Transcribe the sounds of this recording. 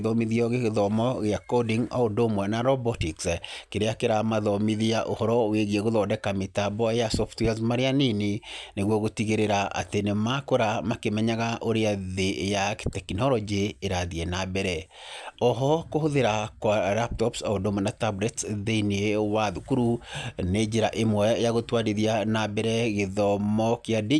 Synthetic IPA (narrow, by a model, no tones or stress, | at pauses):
ðɔmiðiɔɣeɣeðɔmɔɣeakɔdiŋa̰odomwɛnaɾɔbɔtikskeɾeakeɾamaðɔmiðiaʔohɔɾɔweɣieɣoðɔdɛkametabɔejasɔftweazmaɾeaneneneɣwɔɣotiɣeɾeɾaa̰tenemakoɾamakemɛɲaɣaʔoɾeaðejaktɛkinɔɾɔd͡ʒeːɾaðiɛnabɛɾɛɔɦɔkohoðeɾakwalap̚tɔpsaodomanatabɾɛtðeiniewaðukuɾuned͡ʒeɾaʔemwɛjaɣotwaɾiðianabɛɾɛɣeðɔmɔkeadi